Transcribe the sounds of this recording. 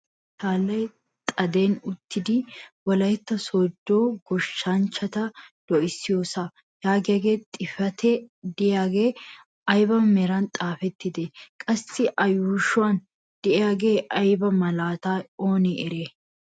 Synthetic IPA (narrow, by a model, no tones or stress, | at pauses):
t̪ʰaːlːɐj | t̪ʼɐd̪e̞ːnʊt̪ːɪd̪ɪwɔlɐjɪt̪ːɐsɔd̪ːo̞ːɡɔʃːant͡ʃːɐt̪ɐd̪̥ɔʔɪsːɪjoːsa | jaːɡɪɐɡeːt̪ʼɪfɐt̪ʰɛd̪ɪjaːɡeː | ɐjbɐmɛɾɐnt̪ʼaːfɛt̪ːɪd̪ɛkʼɐsːɪʔɐjuːʃʊan | d̪̥ɛʔɛjaɡeːʔɐjbɐmɐlaːt̪aːoːnɛʔɪɾeː